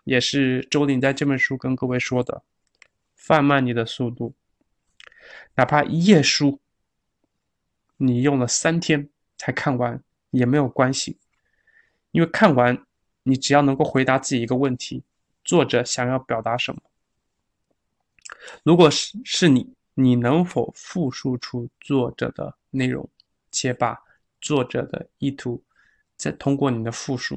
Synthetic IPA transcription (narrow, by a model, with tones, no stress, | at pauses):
jɛ˨˩ʂɻ̩˥˩ʈ͡ʂo˥ʊli˧˥nt͡sa˥˧ɪʈ͡ʂɤ˥˩pə˥˩nʂu˥kə˥nkɤ˥˧we˥˩ɪʂwɔ˥d̪ə̰˨ | fa˥˧nma˥˩nni˨˩d̪ə˦su˥˧t̪u˥˩ | na˨˩pʰa˥ʔi˧˥jɛ˥˩ʂu˥ | ni˨˩jʊ˥˩ŋlə˩sa˥nt̪ʰjɛ˥n | t͡sʰa˧˥ɪkʰa˥˩nwa˧˥n˨ | jɛ˨˩me˧˥ɪjo˨˩ʊkwa˥nɕi˨˩ | i˥nwe˥˧ɪkʰa˥˩nwa˧˥n | ni˨˩ʈ͡ʂɻ̩˨˩jɑ˥˩ʊnɤ˧˥ŋko˥˩ʊxwe˧˥ɪt̪a˧˥t͡sɹ̩˥˩t͡ɕi˨˩˧ɡə˧wə˥˩nt̪ʰi˧˥ | t͡swɔ˥˩ʈ͡ʂɤ˨˩ɕjɑ˨˩ŋjɑ˥˩ʊpjɑ˨˩ʊt̪a˧˥ʂə˧˥nmə˧ | ɻu˧˥kwɔ˨˩ʂɻ̩˥˩ni˨˩˦ | ni˨˩nɤ˧˥ŋfo˨˩ʊfu˥˧ʂu˥˧ʈ͡ʂʰu˥t͡swɔ˥˩ʈ͡ʂɤ̰˨˩d̪ə̰˦ | ne˥˩ɪɻʊ̰˧˥ŋ | t͡ɕʰjɛ˧˥pa˨˩ | t͡swɔ˥˩ʈ͡ʂɤ̰˨˩d̪ə̰˦i˥˩t̪ʰu˧˥ | t͡sa˥˩ɪt̪ʰʊ˥ŋkwɔ˥˩ni˨˩d̪ə˦fu˥˧ʂṵ˥˩